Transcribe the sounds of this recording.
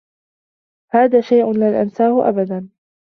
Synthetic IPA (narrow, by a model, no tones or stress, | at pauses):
haːðaːʃajʔʊnlɪlʔansaːhʊʔa̰bad̪an